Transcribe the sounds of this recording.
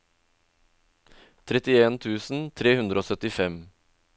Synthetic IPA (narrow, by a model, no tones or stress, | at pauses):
t̪ʰɾɛt̪ɪeːnt̪ʰʉːsn̩t̪ʰɾeːhʉnd̪ɾəoːsœt̪ɪfɛm